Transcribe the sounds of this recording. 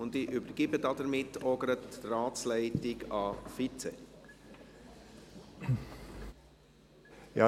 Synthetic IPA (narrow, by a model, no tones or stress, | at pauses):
ʊndiʔybəɾɡ̥ibədɑdəɾmɪtːɔɡəɾətrɑːslɛɪtɪkɑfit͡sɛ̰ | jɑ